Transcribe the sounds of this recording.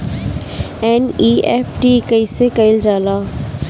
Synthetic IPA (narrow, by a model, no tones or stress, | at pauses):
ɛːniːeːpʰʈikəisekəɪld͡ʒaːlaː